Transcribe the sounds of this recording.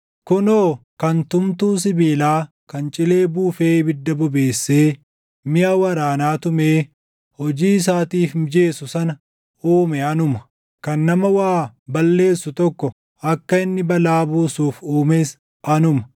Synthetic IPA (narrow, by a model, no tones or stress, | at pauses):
kʊnoːkɐnt̪ʊmt̪uːs̬ɪbiːlaː | kɐnt͡ʃʼɪle̞ːbuːfe̞ːbɪd̪ːɐbʊbe̞ːsːeː | mɪʔaːwɐɾaːnaːt̪ʊmeː | hɔd͡ʒiːɪs̬aːt̪iːfd͡ʒe̞ːsʊsɐn | uːmɛɐnʊmɐ̥ | kɐnːɐmɐwaːbɐlːe̞ːsːʊt̪ɔkːɔ | ɐkːɐɪnːɪbɐlaːbuːsuːfuːmeːs | ʔɐnʊmɐ̥